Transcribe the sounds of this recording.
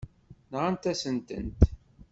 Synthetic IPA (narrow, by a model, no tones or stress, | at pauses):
nʁant̪æsənt̪ə̰nt̪